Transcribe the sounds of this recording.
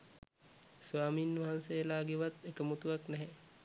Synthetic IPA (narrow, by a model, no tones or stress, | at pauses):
sʋaːmiːnʋaɦansejəlaːɡeʋat̪ekəmut̪uʋaknɛɦɛ